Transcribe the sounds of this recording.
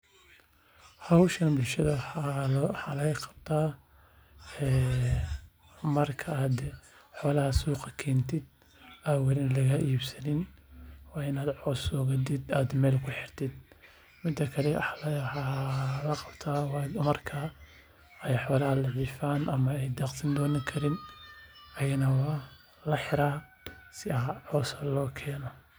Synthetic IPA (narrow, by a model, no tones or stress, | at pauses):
hɑwʃɐnbʊlʃɐðɐ | ħɑːlɐɐqɑ̥b̥t̪ʰaː | ɛː | mɐrkʰɐaːd̪ħɔːlɐhɐsuːqɑkʰɛːnt̪ʰɪd̪̚ | awɐlɪnlɐɣɐʔiːbsɐnɪnwɑːɪnaːd̪ʕɔːsɔːɣɐd̪ɪd̪aːd̪mɛːlkʰʊħɪrt̪ʰɪd̪̚ | mɪd̪ɐkʰɐlɛlħɑːlɐqɑbt̪ʰaːmɐrkʰɐ | ɛjħɔːlɐhɐlɐʕiːfaːnʔɐmɐɛjd̪aːqsɐnd̪ɔːnɐkʰɐɾɪn | ɐjɐnɐwɐ | lɐħɪɾaː | sɪɐʕɔːsɐlɔːkʰɛːnɔ